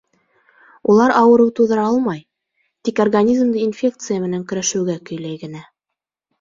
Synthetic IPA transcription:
ulˠɑɾʔɑwɤ̆ɾɤwt̪uðɤɾɑɑlˠmɑj | t̪ikorɡanʲizmd̪ɤinfʲe̞k̚t̪sɨjamɘ̆næŋkɵ̆ɾæʃɘ̆wɡækɵ̆jlæjɡɘ̆næ

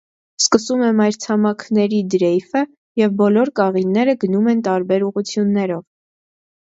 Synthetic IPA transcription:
skəsumɛmɑjɾt͡sʰɑmɑkʰnɛɾid̪ɾɛjfə | jɛvbɔlɔɾkɑʁinːɛɾəɡənumɛnt̪ɑɾbɛɾuʁut͡sʰjunːɛɾɔv

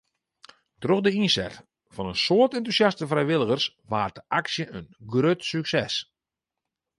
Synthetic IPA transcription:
troxdəinsɛ̰t | fɔnənsoərtɛntusjastəfrɛjʋɪlˠəɣərs | ʋaːrtəʔaksjəʔənɡrøtsyksɛs

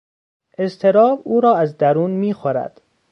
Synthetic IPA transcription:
ʔe̞st̪ʰe̞ɾɒːbuːɾɒːæzd̪æɾuːnmiːxoɾæ̰d̪̥

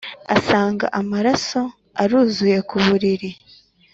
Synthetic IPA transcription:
a̰saːŋɡa̰ʔamaɾaso̞ | aɾuːzuje̞kuβuɾiɾi

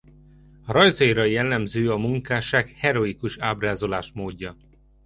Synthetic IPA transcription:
ɒɾɒjzɒiɾɒjɛlːɛmzøːɒmuŋkaːʃaːkhɛɾo̞ikuʃaːbraːzo̞laːʃmoːɟːɒ

